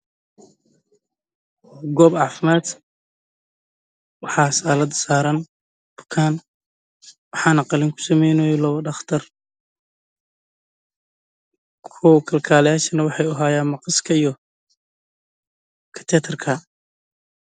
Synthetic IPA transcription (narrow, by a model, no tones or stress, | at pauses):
ɡɔːbʕɑːfɪmaːd̪ | wɑħɑːsaːlɐd̪saːɾɐn | b̥ʊ̥kʰaːn | wɑħɑːnɐqɑlɪŋkʰʊ̥sɐmɛjnɔjlɔβɐɖɑχt̪ʰɐr | kʰɔwkʰɐlkʰaːlɐjaːʃɐnɐwɑħɑjʊɦaːjaːnmɑqɑskʰɐijɔ | kʰɐ̥t̪ʰɛːt̪ʰɛrkʰɐ